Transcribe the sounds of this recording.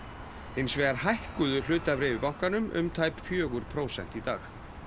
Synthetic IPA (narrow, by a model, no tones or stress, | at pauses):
ejnsvɛːɣaɾ̥hajhkʏðʏl̥ʏːt̪avɾɛːvɪpawŋ̥kanʏmʔʏ̰mt̪ʰaːjpfjœːɣʏɾpʰɾoːwsɛ̰n̥t̪it̪a̰ːx